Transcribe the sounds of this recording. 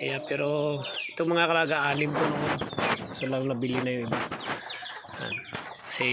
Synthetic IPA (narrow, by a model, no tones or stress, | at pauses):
ʔɐjapɛːɾo̞ɪt̪oŋmɐŋakɐlaɡɐʔaːnɪmkonoʔonsolɐŋnɐbɪlɪnɐjoɪba | a̰n | kɐsɛ